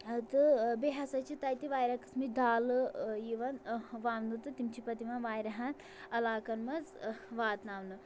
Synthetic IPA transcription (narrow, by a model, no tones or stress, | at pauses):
t̪ɨbeɦɐsɐt͡ʃʰit̪ajt̪iʋaːjɾɐkɨ̥smid̪aːlɨjiʋɐnʋaːmnd̪ɨt̪ɨt̪imt͡ʃʰipɐt̪iʋɐnʋaːjɾɐɦɐn | ɐlaːkɐnmɐzʋaːt̪naːʋnɨ